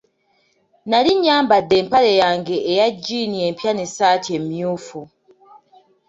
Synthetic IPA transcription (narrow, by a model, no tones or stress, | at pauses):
naliɲːaːmbadːe̞ːmpale̞jaːŋɡe̞ʔːjaɟːiːnie̞ːmpjanesaːtie̞mjuːfu